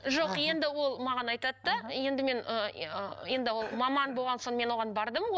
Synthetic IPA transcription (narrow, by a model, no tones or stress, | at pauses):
ʒo̞qje̞nd̪ɪwo̞lˠmɑʁɑnɑjt̪ɑt̪ːəje̞nd̪ɪme̞nəəje̞nd̪ɪwo̞lˠmɑmɑnbolˠʁɑnso̞ɴme̞nwo̞ʁɑnbɑɾd̪əmo